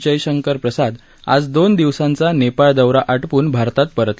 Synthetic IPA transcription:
d͡ʑəjɕəŋkəɾpɾəsad̪ | a̰d͡zd̪ond̪iʋsãnt͡sanepaɭd̪əʋɾaʔəʈpuːnbʱaɾt̪at̪̚pəɾət̪

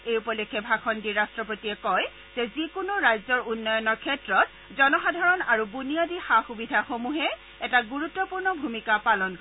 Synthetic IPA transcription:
ejupɔlokʰːɛbʱakʰɔndiɹastɹɔpotiɛkɔj | z̥ɛzikʊnʊɹajzɔɹunːɔjɔnɔɹkʰɛtɹɔt̚ | zɔnɔxadʱaɹɔnaɹubunijadixaxubidʱaxomuɦɛ | ɛtaɡuɹut̪ːɔpuɹnɔbʱumikapalɔnk

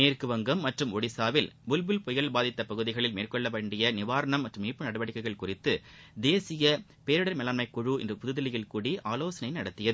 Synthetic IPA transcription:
neːrkɯʋɐŋɡɐmːɐʈrɯmɔɽɪsaːʋɪlbʊlbɪlpɔjɐɭbaːðɪt̪ːɐpɐɣɯðɪɣɐɭɪlmeːrkɔɭːɐʋɐːɳɖɪjɐnɪʋaːɾɐɳɐmːɐʈrɯmiːpːɯnɐɽɯʋɐɽɪkːɐɪɣɐɭkʊrɪt̪ːɯd̪eːsɪjɐ | peːɾɯɽɐɾmɛlaːnmɐɪkːɔɻuɛ̰ndrɯpʊðɯðɐlɪjɪlkuːɽiʔaːloːsɐnɐɪnɐɽɐt̪ːɪjɐðɯ

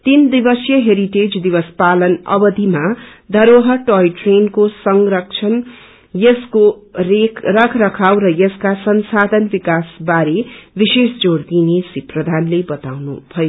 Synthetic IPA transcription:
t̪ind̪ibʌsjʌɦeɾiʈed͡zd̪ibʌspalʌnʌ̰bʌd̪ʱimad̪ʱʌɾoɦʌʈojʈrenkosʌŋrʌk̚t͡sʰʌn | jʌskorekʰrʌkʰrʌkʰawɾʌjʌskasʌnsad̪ʱʌnbikasbaɾebisesd͡zoɽd̪inesiprʌd̪ʱanlebʌt̪awnṵbʱʌjo

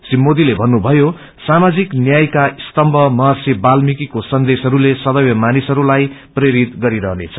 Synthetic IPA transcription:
simːod̪ilebʱʌnːubʱʌjo | samad͡ziknjajkaist̪ʌmbʱʌmʌɦasibalmikikosʌnd̪esɦʌɾulesʌd̪ʌwjʌmanisʌɾulajpreɾit̪ɡʌɾiɾʌɦnet͡sʰʌ

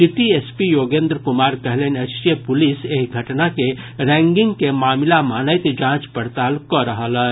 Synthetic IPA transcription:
siʈiespijoːɡẽːnd̪ɾkʊmaːɾkɐɦlenɐsʈiəpʊliseːkɡʱɐʈnake | ɾɛ̃ːŋɡɪ̃ŋɡkemaːmɪlamaːnəɪt̪d͡ʒãːt͡ʃpɐɾt̪aːlkɔɾəɦələ

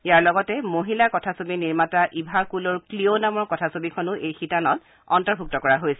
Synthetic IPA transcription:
ijaɹlɔɡɔtɛmoɦilakɔtʰasobiniɹmataʔibʱakulɔɹklionamɔɹkɔtʰasobikʰɔnʊʔejxitanɔt | ɔ̰ntɔɹbʱuk̚tɔkɔɹaɦojsɛ

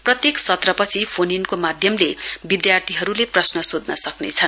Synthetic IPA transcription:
prʌt̪jeksʌt̪rʌpʌt͡sʰipʰoninkomad̪ʱjʌmlebid̪jart̪ʰiɦʌɾuleprʌsnʌsod̪nʌsʌknet͡sʰʌn

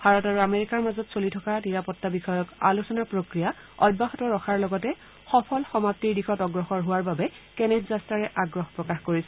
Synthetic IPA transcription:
bʱaɹɔtaɹuameɹikaɹmazɔtsolitʰɔkaniɹapɔtːabixɔjɔkalusɔnapɹokɹija | ɔ̰d̚baxɔtɔɹɔxʰaɹlɔɡɔtɛ | xɔpʰɔlxɔmap̚tiɹdixʰɔtɔɡɹɔxɔɹɦʊwaɹbabɛ | kɛnɛdzastɹaɹɛʔaɡɹɔxpɹɔkaxkoɹisɛ

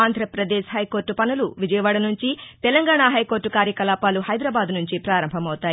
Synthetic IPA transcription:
aːnd̪ʱɾɐpɾɐd̪eːʃɦɐjko̞ːɾʈːupɐnuluʋid͡ʒɐjɐʋaːɽɐnuɲt͡ʃit̪ɛlɐŋɡaːɳaːɦɐjko̞ːɾʈːukaːɾjɐkɐlaːpaːluɦɐjd̪ɾaːbaːd̪nuɲt͡ʃipɾaːɾɐmbʱɐmɐwut̪aːi

